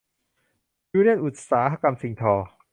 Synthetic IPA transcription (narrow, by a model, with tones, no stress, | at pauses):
juː˧˦li˥˩ənʔu˨˩t̪̚saː˩˦ɦa˧ka˧msi˨˧˦ŋt̪ʰɔː˧